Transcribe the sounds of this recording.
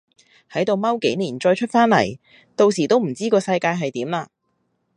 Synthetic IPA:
hɐ˨˥jt̪o˨wmɐ˥wke˨˥jniː˨˩nt͡ʃɔː˧jt͡ʃʰɵ˥t̚faː˥nlɐ̰˨˩j | t̪o˧wsiː˨˩t̪o˥wm̩˨˩t͡siː˥kɔː˧sɐ˧jkaː˧jɦɐ˨jt̪iː˨˥mlaː˧

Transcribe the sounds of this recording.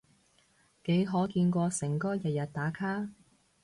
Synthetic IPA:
ke˨˥jɦɔː˨˥kiː˧nkʷɔː˧sɪ˨˩ŋkɔː˥jɐ˨t̚jɐ˨˩t̚t̪aː˨˥kʰaː˥

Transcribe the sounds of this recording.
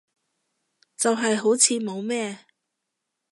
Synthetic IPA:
t͡sɐ˨wɦɐ˨jɦo˨˥wt͡sʰiː˨˧mo˨˧wmɛː˥

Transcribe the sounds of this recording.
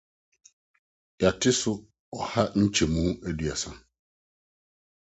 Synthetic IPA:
ja˨tʰɪ˦sʊ˦ | ɔ˨ha˦ɲ̩˦t͡ɕʰɛ˨mũ˦æ˦du˨a̰˨sã˦

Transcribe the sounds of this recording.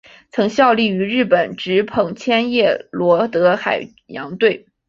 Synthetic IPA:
t͡sʰɤ˧˥ŋɕjɑ˥˧ʊli˥˩y˧˥ɻɻ̩˥˩pə˨˩nʈ͡ʂɻ̩˧˥pʰɤ˨˩ŋt͡ɕʰjɛ˥njɛ˥˩lwɔ˧˥t̪ɤ˧˥xa˨˩ɪ | jɑ̰˧˥ŋt̪we˥˩ɪ

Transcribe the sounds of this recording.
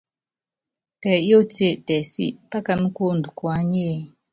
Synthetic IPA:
pɛ˨jo˦te˦˨tɛ˨sḭ˦pa˦ka˨mu˦ko˦˨ndu˨kwa˨˦ɲeː˦˨

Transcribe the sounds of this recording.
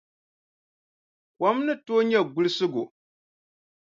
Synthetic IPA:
kʷa˨˦mnɨ˦toː˦ɲɛ˦˨ɡʊ˦lɨ˦sɨ˦ɡʊ˨

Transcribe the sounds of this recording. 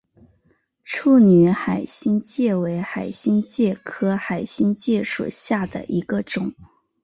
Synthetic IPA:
ʈ͡ʂʰu˥˩ny˧˥xa˨˩ɪɕi˥nt͡ɕjɛ˥˩we˧˥ɪxa˨˩ɪɕi˥nt͡ɕjɛ˥˩kʰɤ˥xa˨˩ɪɕi˥nt͡ɕjɛ˥˩ʂwɔ̰˨˩ɕja˥˩d̪ə̰˨˩ʔi˧˥ɡə˧ʈ͡ʂʊ˨˩˦ŋ

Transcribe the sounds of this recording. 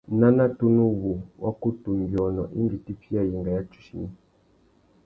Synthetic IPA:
na˦na˦tu˦nu˦wu˨wʔa˦ku˦tu˨mbjɔ˨nɔ̰˨ʔḭ˦mɡi˨ti˦fi˦a˦˨ji˨ŋɡa˨ja˦t͡ʃu̥˨ʃḭ˨ni˦

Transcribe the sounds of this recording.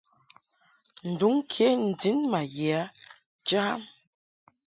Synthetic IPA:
n̩˨du˨˦ŋkʰe˨˦n̩˨di˨˦nma˨je˨a˨˦ | d͡ʒə˦a˦m

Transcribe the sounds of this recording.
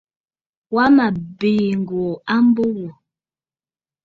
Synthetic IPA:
wa˦ma˨beː˨ŋ˨ɡo˨a˦m˦bo˦wo˨

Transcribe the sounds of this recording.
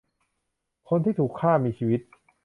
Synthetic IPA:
kʰo˧nt̪ʰiː˥˩t̪ʰuː˨˩kʰːaː˥˩miː˧t͡ɕʰiː˧wi˦˥t̪̚

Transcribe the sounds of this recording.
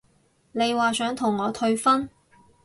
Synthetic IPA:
ne˨˧jwaː˨sœː˨˥ŋt̪ʰʊ˨˩ŋːɔː˨˧t̪ʰɵ˧ɥfɐ˥n

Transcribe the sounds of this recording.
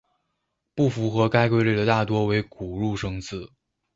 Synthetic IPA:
pu˥˩fu˧˥xɤ˧˥ka˥ɪkwe˥˧ɪle˥˩ɪd̪ə˩t̪a˥˩t̪wɔ˥we˧˥ɪku˨˩ɻu˥˩ʂɤ˥ŋt͡sʰɹ̩˥˩

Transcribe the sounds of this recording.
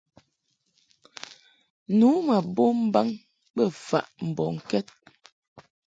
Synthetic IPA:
nuː˨˦ma˨bo˦m̩˦ba˦ŋ | bə˦˨fa̰˨ʔm̩˨bɔ˨ŋ̩˨kɛ˦t̚

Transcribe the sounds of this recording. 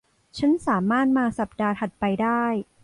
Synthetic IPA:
t͡ɕʰa˦˥nsaː˩˦maː˥˩t̪̚maː˧sa˨˩p̚daː˧t̪ʰa˨˩t̪̚pa˧jdaː˥˩j

